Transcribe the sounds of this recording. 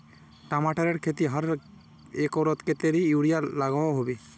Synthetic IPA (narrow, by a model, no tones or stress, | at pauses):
ʈamaʈaɾeɾkʰet̪iɦaɾ | ekɔɾɔt̪ket̪eɾiuɽijalaɡɔwaɦobe